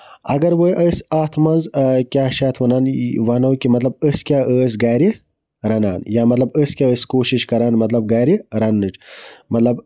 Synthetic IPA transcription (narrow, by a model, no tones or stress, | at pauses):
ɐ̰ɡɐɾwəjʔəsaːt̪ʰmɐnzkʲjaːʃaːt̪ʰʋɐnaːnʋɐnɐwkimɐt̪lɐb̚əskʲaːʔəːs̬ɡaːjɾi | ɾɐna̰ːnjaːmɐt̪lɐbəskʲaəːskoːʃiʃkɐɾaːnmɐt̪lɐb̚ɡaːjɾiɾɐnːɨʈmɐt̪lɐb